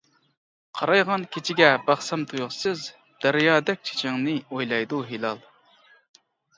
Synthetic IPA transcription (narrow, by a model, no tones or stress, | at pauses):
qʰɑɾɑjʁɑnkʲʰet͡ʃʰiɡʲɛbɑχsɑmt̪ʰujʁsɨz | d̪̥æɾjɑːd̪ɛk̚ʲt͡ʃʰe̥t͡ʃʰɪŋnɨojlˠɑjd̪uɦilˠɑlˠ